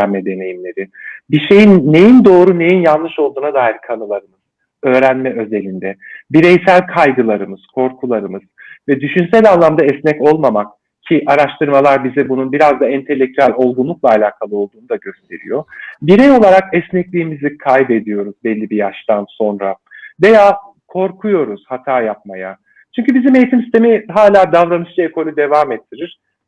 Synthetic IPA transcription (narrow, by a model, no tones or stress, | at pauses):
nmɛd̪e̞ne̞jimlʲe̞ɾɪbiʃe̞jinːe̞jind̪o̞ːɾune̞jinjanlːˠɯʃo̞lˠd̪uːnad̪aːjiɾkʰanɯlˠaɾɯmɯz̥ | ø̞ːɾænmɛø̞ze̞lʲind̪ɛbiɾɛjsælʲkʰajɡɯlˠaɾɯmɯz̥kʰo̞ɾkʰulˠaɾɯmɯz̥vɛd̪yʃynsælʲanlˠamd̪aɛsnɛco̞lˠmamak̚ | cʰiʔaɾaʃt̪ʰɯɾmalˠaɾbizɛbununbiɾazd̪aɛnt̪ʰe̞lʲːec̚t̪ʰyælʲo̞lˠɡunlˠuk̚lˠaːlʲaːkʰalˠɯo̞lˠd̪uːnud̪aɟø̞st̪ʰe̞̰ɾḭjo̞biɾɛjo̞lˠaɾakɛsnɛclʲiːmizʲikʰajbe̞d̪ijo̞ɾuzbɛlʲːibijaʃt̪anso̞nɾa̰ | ve̞jaː | kʰo̞ɾkʰujo̞ɾuz̥hat̪ʰaːjap̚maja | t͡ʃʰyɲcybizime̞jit̪ʰimsist̪ʰe̞miɦaːlʲaːd̪avɾanɯʃt͡ʃaekʰo̞lʲyd̪e̞vaːmɛt̪ʰːiɾiɾ̥